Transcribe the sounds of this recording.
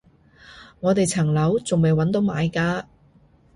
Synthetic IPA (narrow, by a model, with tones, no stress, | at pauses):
ŋɔː˨˧t̪e˨jt͡sʰɐ˨˩ŋlɐ˨˥wt͡sʊ˨ŋme˨jwɐ˨˥nt̪̬o˨˥wmaː˨˧jkaː˧